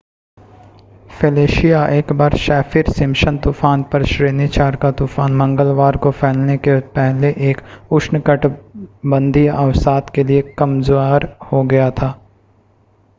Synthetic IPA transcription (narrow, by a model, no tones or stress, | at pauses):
feːleːʃijaʔeːkbaːɾʃɛːfʰiɾsɪ̃mʃənt̪uːfaːnpɐɾʃɾeːnit͡ʃaːɾkat̪uːfaːnmɐ̃ŋɡəlʋaːɾkofʰɛːlnekepɛɦleʔeːkʊʃnəkəʈbə̃nd̪ʱiaʊsaːt̪keliekɐmzoaːɾhoɡɐjat̪ʰaː